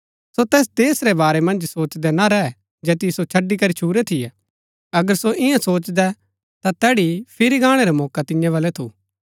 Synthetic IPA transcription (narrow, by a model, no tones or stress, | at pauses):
sot̪ɛːs̬d̪eːsɾebaːɾɛmɐ̃nd͡ʒsoːt͡ʃd̪ɛnaɾɛɦɛ | d͡ʒɛːt̪ijisot͡ʃʰɐɖːikɐɾit͡ʃʰuːɾɛt̪ʰɪjɛ | ɐɡəɾsoʔɪjãsoːt͡ʃd̪ɛ | t̪at̪ɛːɽipʰɪɾiɡãːɽ̃ɛɾɛmɔːkat̪ɪ̃jãʋɐlɛt̪ʰṵː